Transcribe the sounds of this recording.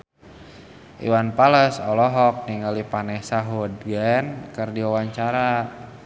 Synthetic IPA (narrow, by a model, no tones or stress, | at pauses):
ʔḭwanpaləsɔlɔɦɔk̚niŋalipanɛhsaɦɔdɡɛnkərdiawaɲt͡ʃaɾa